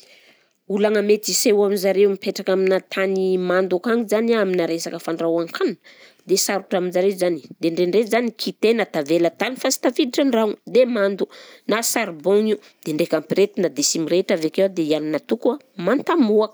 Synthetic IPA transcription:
ulaŋamet̪isewaminzaɾewmipeʈ͡ʂakaminat̪ʰanimand̪ukaŋizanaaminaɾesakəfaɳɖ͡ʐawaŋkʰan | d̪esaɾuʈ͡ʂaminzaɾezani̥d̪eɳɖ͡ʐeɳɖ͡ʐezanikʰit̪enat̪avelat̪anifasi̥t̪afid̪iʈ͡ʂaɳraŋd̪emand̪unasaɾboŋi | d̪̥eɳɖ͡ʐekampɾet̪inad̪esimiɾeʈ͡ʂavekewad̪eianinat̪ukua | mant̪amuak

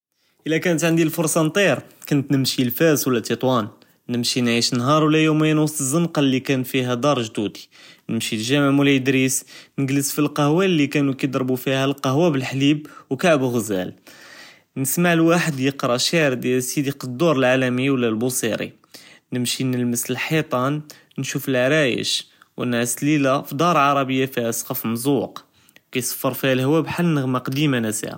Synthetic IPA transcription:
ʔəlːækænət̪ʕand̪ilfʊɾsˤɑnt̪ˤiɾkʊnət̪nəmʃilfæswlːæt̪it̪ˤwɑnː | əmʃinʕiʃnːɦɑɾˤwlːæjuməjænwsˤt̪əzˤːəmqɑlːikænfiɦæd̪ɑɾˤʒd̪ud̪i̥nəmʃilʒæməʕmələd̪ɾisnəɡləsfilqɑhwælːikænukəd̪ɾbufihælqɑɦwæbəlħlibwkaʕbuɣəzæ̰l | nəsmaʕlwaħəd̪jəqɾˤɑʃæʕɾd̪jælsid̪iqd̪ːuɾˤəlʕalæmiwəlːælbusiɾḭ | nəmʃinəlməsəlħit̪ˤɑn | nʃufəlʕɾæjə̰ʃ | wənʕaslilæfid̪ɑɾˤʕɑɾˤɑbəjːafihæsˤqɑfmzˤuq | wkæjsˤə̥fːəɾˤfihælhwæbħalːnəɣmaqd̪imanæsḭʕa̰

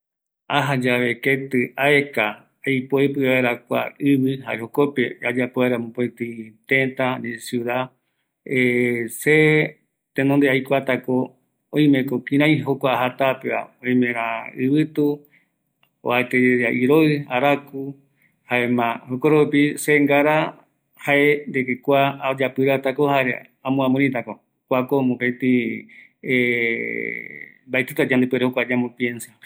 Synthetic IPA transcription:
aɦad͡ʒaβe̞ket̪ɨaeka | ajpoepɨaβaeɾakʷa̰ɨβiɦa̰ʔeɦokopead͡ʒapoaɾamõpot̪it̪ẽnt̪aɲẽsjuða | ese | t̪ẽnõnd̪eajkʷat̪ako | õĩmẽkokĩɾ̃ãj̃ɦokʷaɦat̪apea̰õĩmẽɾ̃ãɨβɨt̪u | o̰aet̪eeaʔiɾoɨaɾaku | haemãhokoɾoupiseŋɡaɾa | haʔend̪ekekʷaːd͡ʒapɨɾat̪akohaɾḛ | ãmõãmõnĩt̪ako | kʷakomõpet̪i | e | mbaet̪et̪ad͡ʒand̪epeɾehokʷad͡ʒamõpje̞nsa

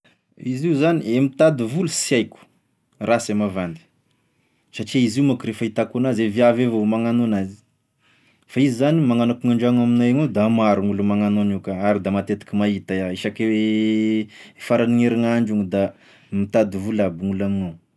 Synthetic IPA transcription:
iziuzaniemit̪ad̪ivulusiajkʲu̥ | rasemavand̪i̥ | saʈ͡ʂiiziumakuɾefait̪akunazeviavevomaŋanonazi̥ | faizizanimaŋanakuŋaɳɖ͡ʐaŋaminaaŋod̪amaɾuŋulumaŋanonikaaɾid̪amat̪et̪i̥kʲimaɦit̪ajaeʃake | faɾaniŋeɾiŋaɳɖ͡ʐuŋid̪a | mit̪ad̪ivulabuŋulamino

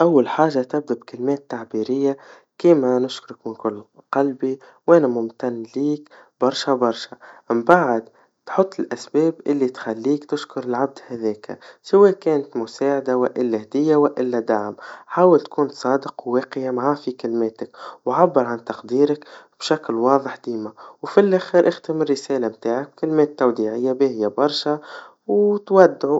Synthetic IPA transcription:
ʔawːalħaːʒat̪ɪb̚d̪abkɪlmeːt̪ːaʕbiːɾɪjːa | kiːmanʊʃkʊɾɪkmɪnkʊlːqɑlbi | wʔanamʊmt̪anːliːk | bɑɾˤʃabɑɾˤʃaɪmbaʕd̪ | t̪ħʊt̪ˤːɪlʔasbeːbʔɪlːit̪xalːiːkt̪ɪʃkʊɾɪlʕab̚d̪haðeːka̰sɪweːkeːnt̪mʊsaːʕad̪awaʔɪlːahd̪ɪjːawaʔɪlːad̪aʕmħaːwɪlt̪kʰuːnsˤɑːd̪ɪqwːeːqɪjamaʕafikɪlmeːt̪ɪkwʕabːɪɾˤʕant̪ɑqd̪iːɾakb̥ʃaklwɑːðˤəħd̪iːmawfilʔaxɪɾʔɪxt̪ɪmɪrːɪseːlamt̪aːʕak̚b̥̚kɪlmeːt̪ːawd̪iːʕɪjːabeːhɪjːabɑɾˤʃa | wt̪wad̪ːʕu

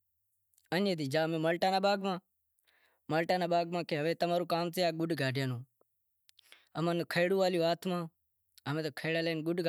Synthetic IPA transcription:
ənẽːd̪iːd͡ʒaːmẽːməlʈaːnaːɓaːɡmãː | məlʈaːnãːɓaːɡmãːkeːɦəʋeːt̪əmãːɾuːkaːmt̪ejaːɡʊɖɡʱaːɖɪjaːnõː | əmaːnkʰəːɽũːʋaːlɪjoːaːt̪ʰmãː | əmẽːt̪oːkʰəːɽaːleːnɡʊɖɡ

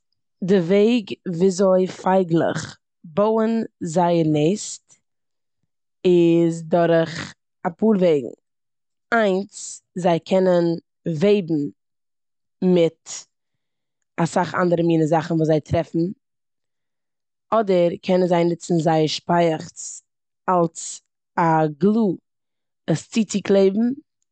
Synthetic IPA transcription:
dɪveɪɡviːzoɪfaɪɡlˠə̰χ | boʊənzaɪəɾneɪst | ɪzdɔɾχ | apuːɾveɪɡŋ̩ | aɪnszaɪkʰɛnən | veɪbm̩ | mɪt | asaχa̰ndəɾəmiːnəzaχn̩vuːzaɪtɾɛfn̩ | ɔdəɾkʰɛnənzaɪnɪt͡sn̩zaɪəɾʃpaɪəχt͡s | alˠs | aɡlˠuː | əst͡siːt͡sɪklˠeɪbm̩

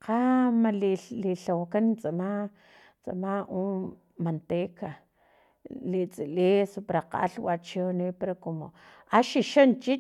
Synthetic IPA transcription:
qamaliliɬawakant͡sʼama | t͡sʼa̰maʔu | mant̪eka | lit͡sʼilisupɾaqa̰ʔa̰ɬwat͡ʃinipeɾakomo | aʃiʃont͡ʃi

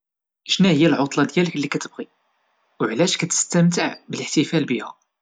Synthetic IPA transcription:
əʃnæhəjːælʕʊt̪ˤlɑd̪jæləklːikæt̪əbʁi | wʕlæʃkæt̪ə̥st̪əmt̪̬əʕbələħt̪ifælbihæ̰

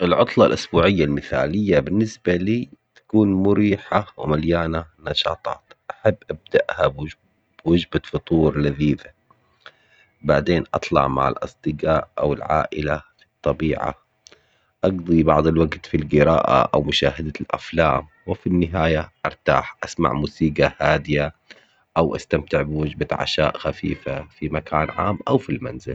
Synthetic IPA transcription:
ʔɪlʕʊt̪ˤlɑlʔʊsbuːʕɪjːalmɪθa̰ːlɪjːabɪnːɪsbaliːt̪ḁkuːnmʊɾiːħawɪmaljaːnanɑʃɑ̰ːt̪ˤɑ̰ːt̪ʔaħabːʔab̚d̪aʔhab | bwʊd͡ʒbafʊt̪ˤuːɾˤlaðiːða | baʕd̪eːnʔɑ̰t̪ˤlɑ̰ʕma̰ʕa̰lʔɑ̰sˤd̪ɨɡaːʔʔa̰wɪlʕa̰ːʔɪlafit̪ˤːɑbiːʕa̰ | ʔɑɡd̪ˤibɑʕd̪ˤɪlwaɡt̪filɡɪɾa̰ːʔa̰ʔa̰wmʊʃaːɦad̪alʔa̰flaːm | wɪfinːɪɦaːjaʔɑɾˤt̪aːħʔasma̰ʕmuːsiːɡahaːd̪ɪja | ʔawʔa̰st̪amt̪ɪʕbɪwad͡ʒbaʕa̰ʃa̰ːʔxafḭːfafimakʰaːnʕa̰ːmʔawfilmanzɪ̰l

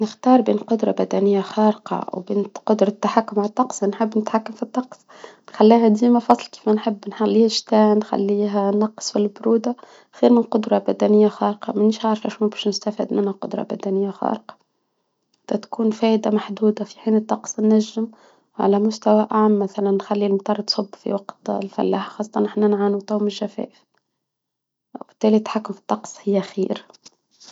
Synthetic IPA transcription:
nɪxt̪ɑːɾˤbeːnqʊd̪ɾˤɑbæd̪ænɪjːaxɑːɾəqɑ̰wbeːnqʊd̪ɾˤɑt̪ːaħakːʊmʕalt̪ˤːɑqsˤnħɪbːnɪt̪ħakːamfit̪ˤːɑqsˤ | nxalːiːɦæd̪iːmafɑsˤlki̥ːfmænħɪbːnħalːiːhæʃt̪æːnxa̰lːiːɦænɑqːsˤfilbʊɾuːd̪a | xiːɾmɪlqʊd̪ɾˤɑbæd̪ænɪjːaxɑːɾqɑ̰mæniʃʕaʕɾfʔæʃmæbiːʃnɪst̪afḭːd̪mɪnhaqʊd̪ɾˤɑ̰bæ̰d̪ænɪjːaxɑ̰ːɾqɑ̥ | d̪̥æ̰t̪kuːnfæːʔd̪amaħd̪uːd̪afiħiːnɨt̪ˤːɑqsˤnːæʒːɪm | ʕa̰læmʊst̪awæʔaʕmːæθælanːxalːilmt̪ˤɑrˤt̪sˤʊbːfḭwɑqt̪lfæ̰lːa̰ːħxɑːsˤːɑt̪ˤɑnʔɪħnænʕaːnut̪awmɪʒæfæ̰ːʔɪf | wb̥ɪ̥t̪ːæːlit̪ħakːʊmfi̥t̪ˤːɑqsˤhɪjːæxḭːɾ

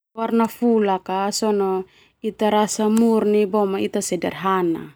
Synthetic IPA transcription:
warnafulakasɔnɔ | it̪aɾasamurnibɔmait̪asɛdarɦana̰

